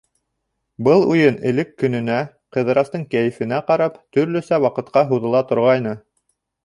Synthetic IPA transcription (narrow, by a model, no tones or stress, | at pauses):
bɤlˠujɤnɘ̆lɘkːɵ̆nɵ̆næ | qɤ̆ðɤ̆ɾɑst̪ɤɴkæjɘ̆fɘ̆næqɑɾɑpt̪ɵ̆ɾlɵ̆sæwɑqɤ̆t̪̚qɑɦuðɤ̆lˠɑt̪ŏɾʁɑjnɤ